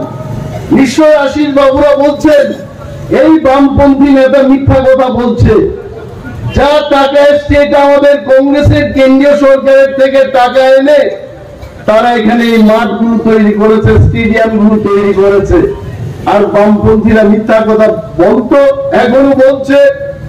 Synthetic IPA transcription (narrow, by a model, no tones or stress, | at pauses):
biʃːoɾaʃiɾbabuɾabolt͡ɕʰen | ejbampont̪ʰinɛt̪amit̪ʰːakɔt̪ʰabolt͡ɕʰe | d͡ʑaʈakaeesʈeʈamad̪eɾkɔŋɡɾeseɾkenɖioʃɔɾkaɾeɾt̪ʰekeʈakaene | t̪aɾaekʰaneejmaʈ̚ɡulut̪ojɾikoɾet͡ɕʰesʈeɖiamɡulut̪ojɾikoɾet͡ɕʰeaɾbampont̪ʰiɾamit̪ʰːakɔt̪ʰabɔlt̪oɛkʰonobolt͡ɕʰe